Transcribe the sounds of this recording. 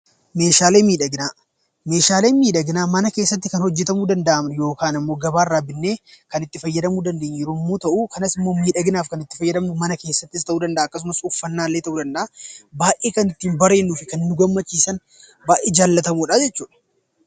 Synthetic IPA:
me̞ːʃaːle̞ːmiːᶑɐɡɪnaː | me̞ːʃaːle̞ːnmiːᶑɐɡɪnaːmɐnɐke̞ːsːɐt̪ːɪkɐnhɔd͡ʒːɛt̪ɐmuːd̪ɐnd̪ɐʔɐmnjo̞ːkaːnɐmːo̞ːɡɐbaːɪrːaːbɪnːe̞ːkɐnɪt̪ːɪfɐjːɐd̪ɐmuːd̪ɐnd̪eːɲːɪɾomːoːt̪ɐʔuːkʰɐnɐsɪmːo̞ːmiːᶑɐɡɪnaːfkɐnɪt̪ːɪ̥fɐjːɐd̪ɐmnʊmɐnɐke̞ːsːɐt̪ːɪs̬t̪ɐʔuːd̪ɐnd̪ɐʔaːɐkːɐs̬ʊmɐsʊfːɐnːaːlːe̞ːt̪ɐʔuːd̪ɐnd̪ɐʔabaːʔeːkɐnɪt̪ːiːmbɐɾe̞ːnːuːfɪkɐnːʊɡɐmːɐt͡ʃːiːsɐn | baːʔeːd͡ʒaːlːɐt̪ɐmuːᶑaːd͡ʒɛt͡ʃːuːᶑɐ̥

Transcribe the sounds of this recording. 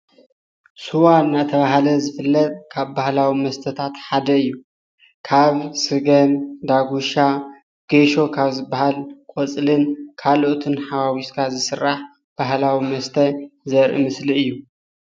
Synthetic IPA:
suwanat̪ʰɐβaɦlɐzɨfɨlːɐt̪ʼkʰaβbahlawimɐst̪ʰɐt̪ʰat̪ħad̪ɐɨjːu | kʰaβsɨɡɐmd̪aɡuʃa | ɡ̥eʃo̞kʰaβzɨbːahalkʼot͡sʼlɨnkʰaloʔt̪ʰɨnħawawiskʰazɨsɨrːaħ | b̥ahlawimɐst̪ʰɐzɐɾʔɨ̰mɨsliɨjːu

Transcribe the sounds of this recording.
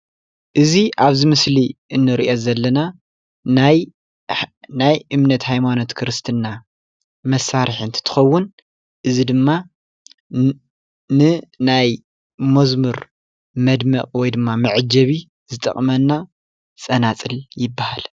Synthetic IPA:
ʔɨziʔaβzɨmɨsliʔɨnːɨɾiʔo̞zɐlːɐna | naj | najʔɨmnɐt̪hajmano̞t̪kʰɨɾɨst̪ʰɨnːa | mɐsːaɾħɨnt̪ʰt̪ʰɨ̥xɐwːʊn | ʔɨzid̪ɨmːa | nɨnaj | mɐzmɨɾ | mɐd̪mɐkʼwɔjd̪ɨmːamɨʕd͡ʒɐβi | zɨt̪ʼɐ̰χʼmɐnːa | sʼɐnat͡sʼɨljɪbːahal

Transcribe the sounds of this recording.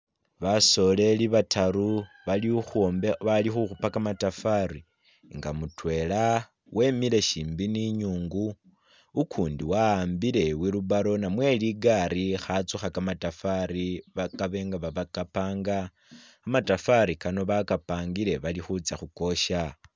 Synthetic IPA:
βaso̞le̞liβataɾu | βalixmβalixuxupakamatafaɾi | ŋɡamutwe̞la | wʔe̞mile̞ʃiːmbiniɲuːŋɡuː | kʰuːndiwaːmbile̞wiluβaɾo̞namwe̞liɡaɾixat͡suxakamatafaɾiβakaβe̞ŋɡaβaβakapaːŋɡaː | matafaɾikano̞βakapaːŋɡiɾe̞βalixut͡saxuko̞ʃa

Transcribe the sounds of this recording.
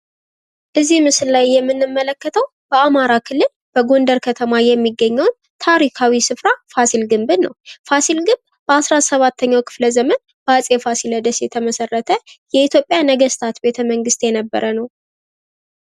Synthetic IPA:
ʔɨzːihmɨsɨllajːɛmːɨnːɨmːələkːət̪ʰəw | b̥əamaɾakʰɨlːɨl | b̥əɡo̞nd̪əɾkʰət̪ʰəmajɛmːiɡːəɲːəwn | t̪ʰaɾikʰawisɨfɾafasilɡɨmbɨnːəwfasilɡɨmb | b̥əasɾasəβat̪ʰːəɲːawkʰɨ̥fləzəmən | b̥əasʼefasiləd̪əsjɛt̪ʰəməsərːət̪ʰəjɛit̪ʰjopʼjanəɡəst̪ʰat̪be̞t̪ʰəməŋɡɨst̪jɛnəbːə̰ɾʔənəw

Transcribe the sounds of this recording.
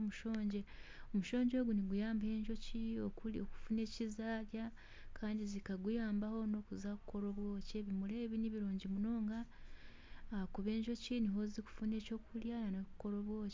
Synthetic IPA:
muʃo̞ːɲɟe̞omuʃo̞ːɲɟo̞ːɡuniɡujaːmbahe̞ːɲʒo̞ciooku̥fune̞ːcizaːɾja | kʰaːndizikaɡujaːmbaho̞no̞kuzaku̥ko̞ɾo̞βwo̞ːce̞βimule̞ːβiniβiɾoːɲɟimuno̞ːŋɡaː | kuβe̞ːɲʒo̞ciniɦo̞ziku̥fune̞ːco̞ːkuljananokuko̞ɾoβwo̞ːce

